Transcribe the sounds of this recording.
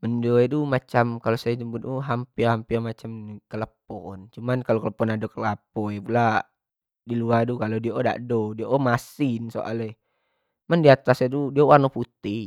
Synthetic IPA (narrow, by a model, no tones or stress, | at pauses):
məndoedumat͡ʃamkalosajad͡ʒəmbut̪uɦampihampirmat͡ʃamkələpɔnt͡ʃumankalokələpɔnadokəlapɔjpula | diluadukalodieʔoda̰ʔdodieʔomasinso̰ʔa̰lɛ | mandiat̪asedudiauwarnoput̪i